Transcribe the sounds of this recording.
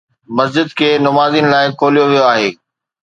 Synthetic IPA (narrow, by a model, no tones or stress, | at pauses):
mɐs̬d͡ʑɪd̪̚kʰeːnʊmaːzinɪ̆laːɪkʰoːlijoʋijoaːɦeː